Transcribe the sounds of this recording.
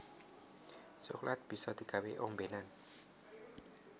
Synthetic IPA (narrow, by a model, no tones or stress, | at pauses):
soklʔat̪̚b̥isɔd̪ikaweʔoŋbenan